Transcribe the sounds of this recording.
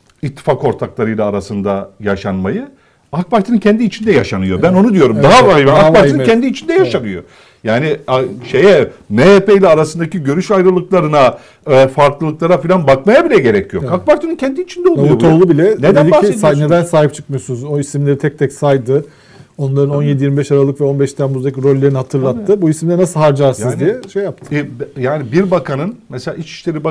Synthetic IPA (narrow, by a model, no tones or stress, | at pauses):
it̪ʰːi̥fako̞ɾt̪ʰaklˠaɾɯjlˠaːɾasɯnd̪ajaʃanmajɯ | ak̚baɾt̪ʰɯnɯncʰʲɛnd̪iːt͡ʃʰind̪ɛjaʃanɯjo̞bæno̞nud̪ijo̞ɾummd̪aɦaabɛnakbaɾt̪ɯncʰɛnd̪iːt͡ʃʰind̪ɛjaʃanɯjo̰ | jaːniaʃe̞jɛmeepejlʲɛːɾasɯnd̪aciɟø̞ɾyʃajɾɯlˠɯklˠaɾɯna | faɾklˠɯlˠɯklˠaɾafilʲanbakmajabilʲɛɟe̞ɾɛcʰijokʰak̚baɾt̪ʰonyncʰɛnd̪iːt͡ʃʰind̪ɛololˠut̪ʰolˠubilʲɛned̪ed̪iisane̞d̪ænsaːɦip̚t͡ʃʰɯ̥k̚mɯjosunuzo̞isimlʲe̞ɾit̪ʰɛc̚t̪ʰɛcsajd̪ɯ | o̞nlˠaɾɯno̞nje̞d̪ijiɾmibɛʃaɾalˠɯkvɛo̞nbɛʃt̪ʰænbuzd̪aciɾo̞lʲːe̞ɾinihat̪ʰɯɾlˠat̪ʰːɯbuisimd̪ɛnasɯhɦaɾd͡ʒaɾsɯnzd̪ijɛʃejːap̚t̪ʰɯ̥jaːnibiɾbakʰanɯnmeselʲaːit͡ʃi̥ʃlʲe̞ɾib